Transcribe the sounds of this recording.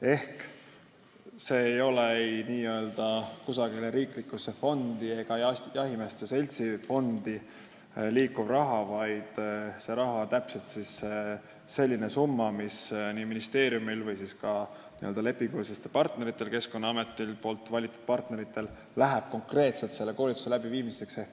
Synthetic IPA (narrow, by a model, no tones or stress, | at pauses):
e̞hk | se̞ːejo̞leejniːø̞ːld̪̥ɑkusɑɡileɾiːklikːˑuse̞fo̞nd̪̥ie̞ɡ̥ɑjɑjɑɦimest̪ese̞lʲt̪sifo̞nd̪̥i | liːkːub̥rɑɦɑvɑjd̪̥se̞ɾɑɦɑt̪æpse̞lt̪sise | se̞lʲːine̞sumːɑmisniːminist̪e̞ːɾjumilvɯjsiskɑ | nḭøld̪ɑle̞pːˑiŋɡ̥ulsest̪epɑrt̪ne̞ɾit̪ːˑe̞lke̞sko̞nːɑɑme̞t̪ːˑilpo̞ːlt̪ːˑvɑlʲit̪ːˑu̥d̪̥̚pɑrt̪ne̞ɾit̪ːˑe̞l | læɦeb̥̚ko̞ŋkre̞ːt̪se̞lt̪se̞lːe̞ko̞ːlʲit̪ːu̥se̞læb̥iviːmise̞ksehk